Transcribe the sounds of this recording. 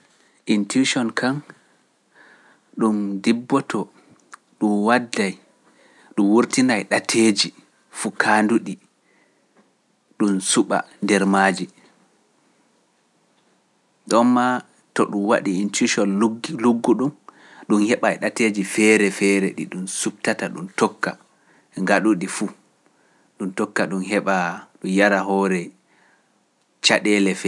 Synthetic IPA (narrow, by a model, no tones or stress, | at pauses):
ʔintuʃɔnkʰam | ɗumdibːɔtʰɔ | ɗumwadːaj | ɗumwuɾtinajɗatʰed͡ʒi | fukʰanduɗi | ɗumsuɓa̰ndɛɾmad͡ʒi | ɗɔmːa | tɔɗumwa̰ɗiːntiʃɔnɡluɡːuɗum | ɗunhɛɓaɛɗated͡ʒifɛɾɛfɛːɾɛɗḭɗumsup̚tataɗumtɔkːa̰ | ŋɡaɗuɗifu | ɗumtɔkːaɗumɦɛɓaɗujaɾaɦɔɾɛ | t͡ʃaɗɛlɛfɛ